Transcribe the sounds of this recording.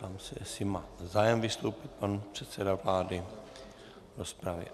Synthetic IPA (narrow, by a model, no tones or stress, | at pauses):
aːmsɛʔɛsɪmaːzaːjɛmvɪst̪owpɪt̪̚panpr̝̥ɛt̪sɛdavlaːdɪ | ɾospɾavɪ̰